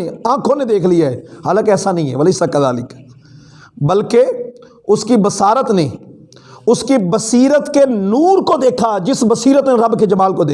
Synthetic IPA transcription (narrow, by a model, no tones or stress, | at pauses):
ãːkʰõned̪eːkʰlijaɛɦaːlakɛːsanɐɦĩɦɛ̰ʋəlɪsakət̪a̰ːlɪk | bəlke | ʊskibəsaːɾət̪ne | ʊskibəsiːɾət̪kenuːɾkod̪eːkʰad͡ʒɪsbəsiːɾət̪neɾɐbked͡ʒɐmaːlkod̪eː